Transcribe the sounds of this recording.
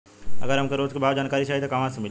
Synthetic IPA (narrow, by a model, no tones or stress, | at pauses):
ɐ̰ɡəɾɦɐmkoɾoːd͡ʒkebʱaːʋd͡ʒaːnkaːɾit͡ʃʰaːɦit̪okamãsɐmɪ